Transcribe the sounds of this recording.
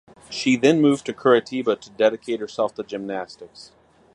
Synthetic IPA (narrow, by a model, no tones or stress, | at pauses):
ʃiðɨ̃nmʉvtʰɨkʰɜ˞ɨtʰibəɾɨdɛɾɨkʰeɪt̚hə˞sɛlˠfðɨd͡ʒɨ̃mnæstɨks